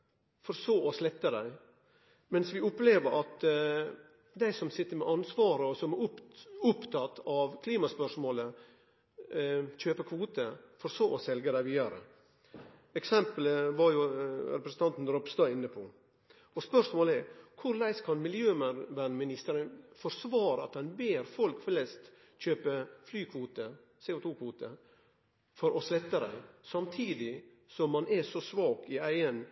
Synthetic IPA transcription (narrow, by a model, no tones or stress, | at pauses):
fɔɾsoːɔslɛt̪ːəd̪æɪ | mɛnsʋɪʊpleːʋəɾʔɑt̪ | d̪æɪsɔmsɪt̪ːəɾmɛʔɑnsʋɑːɾəɔsɔmæʊʊpt̪ʰɑt̪ːɑʋkʰliːmɑspœʂmoːlə | c͡çøːpəkʰʋuːt̪əfɔɾsoːʔɔsɛlɡəd̪æɪʋiːd̪ɑɾə̰ | ɛksɛmpələʋɑɾjʊɾɛpɾəsən̩t̪ʰɑnt̪n̩d̪ɾɔpst̪ɑɪnːəpʰɔ | ɔspœʂmoːlɛɾkʰʊɾlæɪskʰɑnmɪljøːmʋæɳmɪnɪst̪əɾənfɔɾsʋɑːɾəɑt̪̚d̪ɛnbeːɾfɔlkflɛst̪ | c͡çøːpəflyːkʰʋuːt̪ə | seːʊt̪ʰuːkʰʋuːt̪ə | fɔɾʔɔslɛt̪ːəɾæ̰ɪsɑmt̪ʰiːd̪ɪ | sɔmːɑnɛsɔsʋɑːkɪæɪən